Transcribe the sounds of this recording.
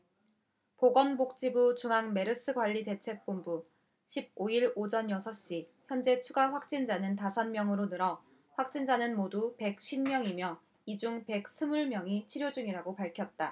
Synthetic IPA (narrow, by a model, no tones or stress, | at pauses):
poɡʌnbok̚t͡ɕ͈ibut͡ɕuŋɦaŋme̞ɾɯs͈ʰɯɡwaʎːite̞t͡ɕʰe̞k̚p͈ombu | ɕʰib̚oiɾod͡ʑʌnjʌsʰʌɕ͈içjʌnd͡ʑe̞t͡ɕʰuɡaɸwak̚t͡ɕ͈ind͡ʑanɯntasʰʌnmjʌŋɯɾonɯɾʌ | ɸwak̚t͡ɕ͈ind͡ʑanɯnmodupe̞k̚ɕ͈ʰinmjʌŋimjʌ | id͡ʑuŋpe̞k̚s͈ʰɯmuɭmjʌŋit͡ɕʰiɾjod͡ʑuŋiɾaɡopaɭkʰjʌt̚t͈a